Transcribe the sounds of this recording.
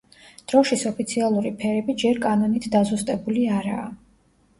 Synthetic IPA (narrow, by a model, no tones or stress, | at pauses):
d̪̥ɾɔʃisɔpʰit̪sʰialˠuɾipʰɛɾɛbid͡ʒɛɾkʼanɔnit̪ʰd̪azust̪ʼɛbuliaɾa̰ː